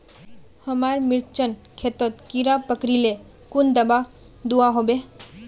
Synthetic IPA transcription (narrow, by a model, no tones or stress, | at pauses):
həmaɾmiɾt͡ʃənkʰet̪ət̪kiɾapəkɾile | kund̪əba | d̪uaɦobe